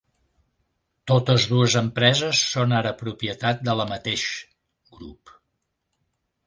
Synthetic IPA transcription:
t̪ot̪əzðuəzəmpɾɛzəsːonaɾəpɾupiət̪at̪̚d̪ələmət̪eʃ | ɡɾṵp

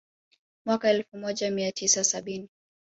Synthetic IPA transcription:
mwakaɛlfumɔʄamiatʰisasaɓini

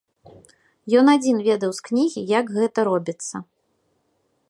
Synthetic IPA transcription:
jɔnad͡zʲinvʲɛd̪ɐwsknʲiɣʲijaɡɣɛt̪ɐɾɔbʲit̪sːɐ

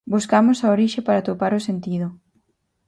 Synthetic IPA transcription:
buskamʊsaoɾiʃepaɾat̪opaɾʊsent̪iðʊ

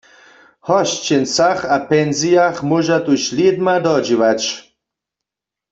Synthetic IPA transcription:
hɔʃt͡ʃensaχapɛnzijaχmoʒat̪ʼuɕlid̪mad̪ɔd͡ʒivat͡ʃ

